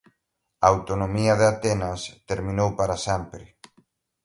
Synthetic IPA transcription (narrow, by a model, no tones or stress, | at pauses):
ɐawt̪onõmiɐðɪat̪ɛnast̪eɾmĩnowpaɾasɛmpɾɪ